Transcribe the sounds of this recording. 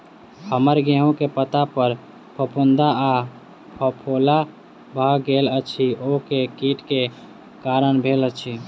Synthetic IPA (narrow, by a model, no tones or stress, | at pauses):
həməɾɡeɦõkepət̪apəɾ | pʰəpund̪aa | pʰəpʰola | bʱəɡelət͡ʃʰiokekiʈke | kaɾənbʱelət͡ʃʰi